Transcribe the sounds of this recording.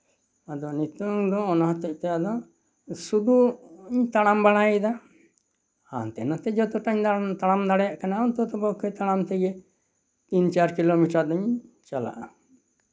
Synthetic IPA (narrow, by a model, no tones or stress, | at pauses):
ad̪ɔnit̪uŋd̪ɔːnaɦãt̪ɛc̚t̪ɛad̪ɔ | sud̪uɲt̪aɽ̃ambaɽ̤aid̪a | ha̰nt̪ɛ̰nat̪ɛd͡ʒɔt̪ɔʈaɲt̪aɽ̃amd̪aɽɛjaʔkanaɔnt̪ɔt̪ɔbɔkʰɛt̪aɽ̃amt̪ɛɡɛ | t̪int͡ʃaɾkilomiʈaɾd̪ɔɲt͡ʃala̰ʔa